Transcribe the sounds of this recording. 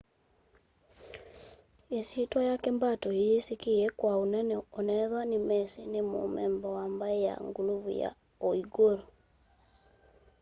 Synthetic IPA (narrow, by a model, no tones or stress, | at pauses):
esitwajakɛmbatɔejesikeɛkwaonɛnɛonɛðwanemɛsenemo̰mɛmbɔwambaeja̰ŋɡuluvṵja̰ | oiɡoɾo